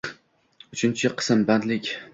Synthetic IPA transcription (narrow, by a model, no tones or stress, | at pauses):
ʊt͡ʃʰɪnt͡ʃʰɪqʰɨ̥sɨmband̪lɪkʲ